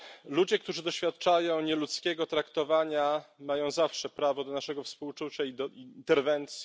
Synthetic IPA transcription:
lud͡ʑɛkt̪uʐɘd̪ɔɕfʲjat̪̚t͡ʂajɔ̃w̃ɲɛlut̪skʲɛɡɔt̪ɾakt̪ɔvaɲamajɔ̃w̃zafʂɛpɾavɔd̪ɔnaʂɛɡɔfspuwt͡ʂut͡ɕaid̪ɔint̪ɛɾvɛnt̪sʲ

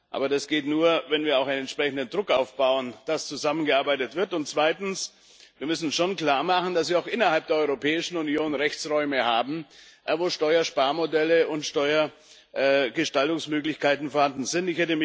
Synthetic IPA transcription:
ʔa̰ːbɐdasɡ̥eːtnuːɐvɛnviːɐaʊxaɪnɛntʃpʁ̥ɛçn̩dəndʁʊkʔaʊfb̥aʊənd̥ast͡suzamənɡəʔaɐbaɪtətv̥ɪɐtʊntt͡sv̥aɪtn̩s | viːɐmʏsn̩ʃoːnkl̥aːɐmaχn̩d̥asviːɐaʊxʔɪnɐhalp̚d̥eɐɔʏʁopʰɛːɪʃn̩unjoːnʁɛçt͡sʁɔʏməhaːbm̩voːʃtɔʏɐʃpaːɐmodɛləʊntʃtɔʏɐ | ɡəʃtaltʊŋsmøːklɪçkʰaɪtn̩foːɐhandn̩zɪntɪçhɛtəmɪ

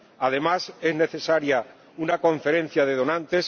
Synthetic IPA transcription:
aðe̞mase̞zne̞θe̞saɾja | unako̞ɱfe̞ɾẽ̞n̟θjaðe̞ð̞o̞nãnt̪e̞s

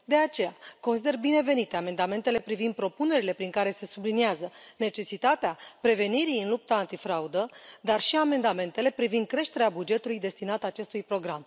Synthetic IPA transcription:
d̪e̞at͡ʃe̞jako̞ns̬id̪e̞rbine̞ve̞nit̪e̞ame̞nd̪ame̞nt̪e̞le̞pɾivind̪̚pɾo̞pune̞ɾile̞pɾiŋkaɾe̞se̞subliniazəne̞t͡ʃe̞sit̪at̪eapɾe̞ve̞niɾijɨnlup̚t̪aːnt̪ifɾaud̪əd̪arʃiame̞nd̪ame̞nt̪e̞le̞pɾivind̪̚kɾe̞ʃt̪e̞ɾeabud͡ʒe̞t̪ulujd̪e̞st̪inat̪əːt͡ʃe̞st̪ujpɾo̞ɡɾam

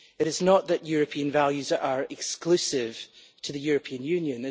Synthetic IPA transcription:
ɪɾɪznəʔðəʔjʉɹəpʰiə̃nvalˠjʉzə˞ʔɪkskʰl̥ˠʉsɪv̥ | tʰəðəjʉɹəpʰiə̃njʉ̃njə̃nɪ

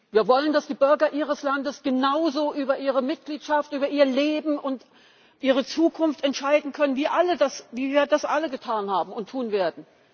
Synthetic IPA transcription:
viːɐvɔləndasd̥iːbʏɐɡɐʔiːʁ̞əslandəsɡ̥ənaʊzoːʔyːbɐʔiːʁ̞əmɪt̚ɡ̥liːtʃaftʔyːbɐʔiːɐleːbm̩ʔʊnt | ʔiːʁ̞ət͡suːkʰʊnftɛntʃaɪdn̩kʰœnənviːɐʔalədasviːviːɐdasʔaləɡətʰaːnhaːbm̩ʊntʰːuːnveːɐdn̩

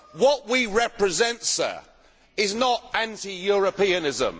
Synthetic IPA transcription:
wɒʔwiɹɛpɹɪzɛ̃ntsə̰ | ɪznətæ̃ntijɔɹəpiənɪzə̰̃m

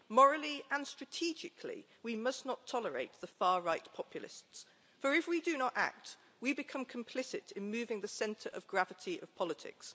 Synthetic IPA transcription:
mɔɹəlˠiə̃nstɹ̥ətʰid͡ʒɪkʰlḭ | wimʌsnətʰɒləɹḛɪʔ̪ðəfɑːɹaɪtpʰɒpʰjəlˠɪ̰sts | fə˞ɪfwidɨnəta̰k̚t | wibɪkʰʌ̃mkʰə̃mpʰl̥ɪsɪtɪ̃nmʉːvɪ̃ŋðəsɛ̃ntʰəɹʔə̰vɡɹavətʰiʔə̰v̥pʰɒlɪtʰɪ̰ks

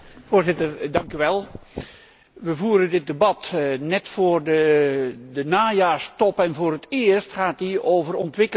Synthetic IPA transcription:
foːɹzɪtərdɑŋkyʋɛlˠ | ʋəvuːɾəndɪt̚debɑtnɛtfoːrdə | dənaːjaːrstɔpɛnvoːrətɪərstχaːtioːvərɔntʋɪkə

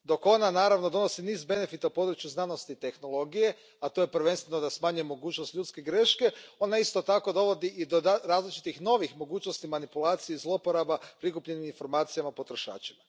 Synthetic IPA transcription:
d̪o̞ko̞nanaːɾaʋno̞d̪o̞no̞siniːzbe̞ne̞fit̪aupo̞d̪ɾut͡ʃjuznano̞st̪it̪e̞xno̞lˠo̞ɡije̞ | at̪o̞jepɾ̩ʋe̞nst̪ʋe̞nod̪asmaːɲujemo̞ɡuːt͡ʃnost̪ʎuːt̪ske̞ɡɾe̞ʃke̞o̞naist̪o̞t̪ako̞d̪o̞ʋo̞d̪iʔid̪od̪aɾaːzlit͡ʃi̥t̪ixno̞ʋixmo̞ɡuːt͡ʃno̞st̪imanipulˠaːt̪sijeizlˠopoɾabapɾikupʎe̞niminfo̞ɾmaːt̪sijamapo̞t̪ɾo̞ʃa̰ːt͡ʃima

